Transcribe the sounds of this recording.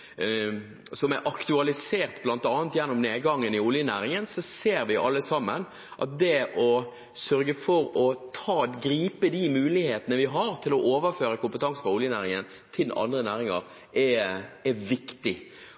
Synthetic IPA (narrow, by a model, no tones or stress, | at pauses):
sɔmɛɾʔɑkt̪ʉɑlɪseːɾt̪blɑnt̪ɑːənt̪jɛnːɔmneːd̪ɡɑŋːənɪʊljənæːɾɪŋənsɔseːɾʋɪʔɑ̰lːəsɑmːən | ʔɑ̰t̪̚d̪ɛʔɔ | sœɾɡəfɔɾɔt̪ʰɑːɡɾiːpəd̪imʉːlɪheːt̪ənəʋɪɦɑɾt̪ʰɪlɔʔoːʋəɾføːɾəkʰʊmpət̪ʰɑŋsəfɔʊljənæːɾɪŋən | t̪ʰɪlɑ̰nd̪ɾənæːɾɪŋɑ̰ɾ | ɛɛʋɪkt̪ɪ